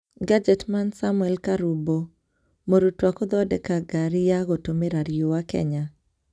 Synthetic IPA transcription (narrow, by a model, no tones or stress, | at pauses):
ɡad͡ʒɛtmansamwɛlkaɾubo | moɾutwakɔd̪ɔdɛkaɡaɾjaɣotomeɾaɾjowakɛ̰ɲa